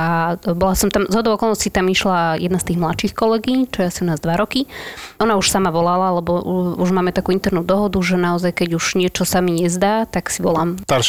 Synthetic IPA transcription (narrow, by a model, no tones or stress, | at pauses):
abɔlasɔmt̪amzɦɔd̪ɔʊɔkɔlˠnɔscit̪amiʃlajɛd̪nast̪iːɣmlatʃiːxkɔlɛɡiɲt͡ʃɔjɛasiunaːzd̪ʋaɾɔkiɔnauʃsamaʋɔlalalɛbɔuuʒmaːmɛt̪akuːint̪ɛɾnuːd̪ɔɦɔd̪uʒɛnaɔzajkɛɟuʒ̥ɲɪɛt͡ʃɔsamiɲɛzd̪aːt̪aksiʋɔlaːmt̪aɾʃ